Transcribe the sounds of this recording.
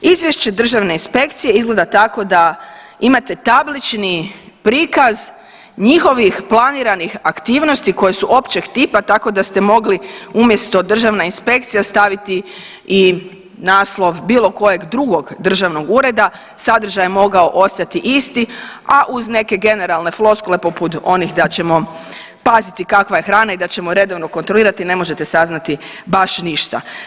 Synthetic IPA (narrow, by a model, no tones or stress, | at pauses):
izʋjeʃt͡ɕe̞d̪r̩ʒaʋne̞inspe̞kt̪sije̞izɡle̞d̪at̪ako̞d̪a | imat̪e̞t̪ablit͡ʃni | pɾiːkaz | ɲixo̞ʋixplaniːɾanixakt̪iːʋno̞st̪iko̞je̞suʔo̞pt͡ɕeɡt̪iːpat̪ako̞d̪ast̪e̞mo̞ɡliumje̞st̪o̞d̪r̩ʒaʋnainspe̞kt̪sijast̪aʋit̪i | i | naːslˠo̞ʋbiːlˠo̞ko̞je̞ɡd̪ɾuɡo̞ɡd̪r̩ʒaʋno̞ɡuɾe̞d̪a | sad̪r̩ʒajemo̞ɡao̞ʔo̞st̪at̪iʔist̪iaʔuzne̞ke̞ɡe̞ne̞ɾalˠne̞flˠo̞skole̞poput̪o̞nixd̪at͡ɕe̞mo̞ | pazit̪ikakʋaje̞xɾaːnaid̪at͡ɕe̞moɾe̞d̪o̞ʋno̞ko̞nt̪ɾoliːɾat̪ine̞mo̞ʒe̞t̪e̞saznat̪ibaʃniʃt̪a